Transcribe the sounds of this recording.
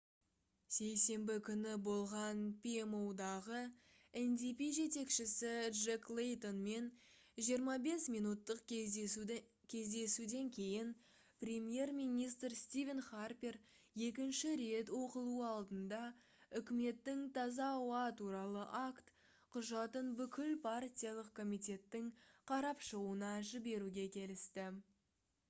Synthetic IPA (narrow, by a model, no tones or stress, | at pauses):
se̞jse̞mbɪkʲʰʏnɪbo̞lˠʁɑnpʰʲiemowd̪ɑʁə | end̪ipiʒe̞t̪e̞kʃɪsɪʒeklˠejt̪o̞nme̞n | ʒijəɾmɑbe̞smijnut̪ːəq | kʲʰe̞zd̪e̞sud̪e̞ŋkʲʰe̞jɪn | prʲe̞mje̞rmijnijst̪rst̪ivʲenχarpʲir | je̞k̬ʲɪnʃɪɾe̞t̪wo̞qəlˠuɑlˠd̪ənd̪ɑ | ʏkʲɪme̞t̪ːɪŋt̪ʰɑzɑːwɑt̪ʰuɾɑlˠəʔakt̪ | qʰʊʒɑt̪ənbʏkʲɪlpʰartʲijalˠəqkʰo̞mijt̪ʲe̞t̪ːɪŋqʰɑɾɑpʃəʁuənɑʒɪbe̞ɾuɡʲe̞kʲʰe̞lɪst̪ɪ